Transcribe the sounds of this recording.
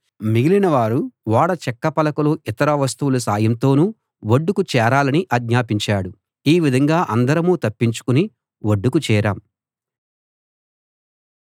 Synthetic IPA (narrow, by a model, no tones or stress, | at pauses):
miɡilinɐʋaːɾuʋaːɽɐt͡ʃɛkːɐpɐlɐkuloːʔit̪ɐɾɐʋɐs̬t̪uwulɐs̬aːjɐmt̪o̞ːnu | ʋoɖːukut͡ʃɛːɾaːlɐniʔɐɡɲaːpiɲt͡ʃaːɽu | iːʋid̪ʱɐŋɡaːʔɐnd̪ɐɾɐmuːt̪ɐpːiɲt͡ʃu̥kuni | ʋoɖːukut͡ʃɛːɾa̰ːm